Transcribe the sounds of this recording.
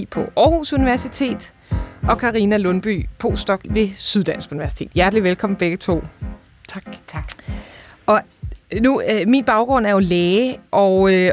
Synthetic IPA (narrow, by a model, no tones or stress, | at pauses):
pʰɒ̽ʔɒːhusuniʋæɐsit͡sʰe̝̰ːd̥ | ʔɒ̽kʰɑ̈ʁinælɔ̽nb̥y̰ːpʰo̝̰ːsd̥ɒ̽ɡ̥ʋe̝syð̞ˠd̥ænsɡ̥uniʋæɐsi̥t͡sʰe̝̰ːd̥jæɐ̰d̥liʋelkʰɒ̽m̩b̥eɡ̥ət͡sʰo̝̰ː | ʔɒ̽numḭːnb̥ɑ̈ʊɡ̥ʁɔ̽n̰æɐjo̝lɛːʔɒø